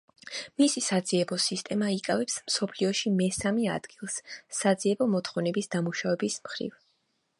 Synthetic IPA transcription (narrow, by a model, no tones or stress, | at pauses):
misisad̪ziɛbɔsist̪ʼɛmaikʼavɛpsmsɔpʰliɔʃimɛsamia̰d̪ɡilˠsːad̪ziɛbɔmɔt̪ʰχɔvnɛbisd̪amuʃavɛbismχɾḭv